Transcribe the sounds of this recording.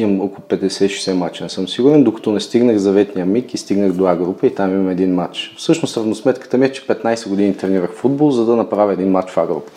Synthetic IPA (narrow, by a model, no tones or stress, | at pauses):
imokkoʊpɛd̪ɛsɛiʃɛsɛmat͡ʃɛnɛsɤmsiɡuɾɛnd̪okɐ̥t̪onɛst̪iɡnəxzɐvɛt̪nijəmikist̪iɡnəxd̪oaɡɾupəit̪amimɐmɛd̪inmat͡ʃfsɤʃnost̪ɾɐvnosmɛt̪kə̥t̪əmiɛt͡ʃɛ̥pɛt̪najsɛɡod̪init̪ɾɛniɾəxfud̪̚bolˠzɐd̪ɐnɐpɾavʲəɛd̪inmat͡ʃvaɡɾṵpə̥